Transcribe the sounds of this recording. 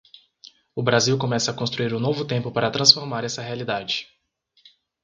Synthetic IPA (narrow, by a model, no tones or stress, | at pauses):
ʊbɾaziwkõmɛsɐːkõst̪ɾuiɾũnovʊt̪ẽmpʊpaɾɐt̪ɾɐ̃sfoɾmaɾɛsɐɦealid̪ad͡ʒɪ